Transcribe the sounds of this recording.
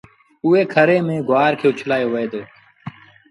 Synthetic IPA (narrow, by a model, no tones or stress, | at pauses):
ʊːeːkʰəɾeːmẽːɡʊʋaːɾkʰeːʊt͡ʃʰlaːjoːʋeːd̪oː